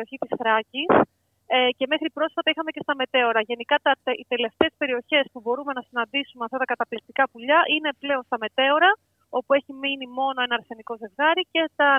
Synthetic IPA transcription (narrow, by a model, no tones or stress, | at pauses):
oçit̪isθɾɐcis | ece̞me̞xɾipɾo̞sfɐt̪ɐixɐme̞ce̞st̪ɐme̞t̪e̞o̞ɾɐʝe̞nikɐt̪ɐit̪e̞le̞ft̪e̞ːspe̞ɾio̞çe̞spubo̞ɾume̞nɐsinɐnd̪isumeɐft̪ɐt̪ɐkɐt̪ɐplik̚t̪ikɐpuʎɐʔine̞ple̞o̞nst̪ɐme̞t̪e̞o̞ɾɐ | o̞pue̞çiminimo̞no̞e̞nɐɾθe̞niko̞ze̞vɣɐɾice̞t̪ɐ